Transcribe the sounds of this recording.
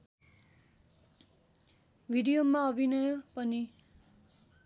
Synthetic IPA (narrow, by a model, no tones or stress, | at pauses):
bʱiɽijomaʌbʱinʌjopʌni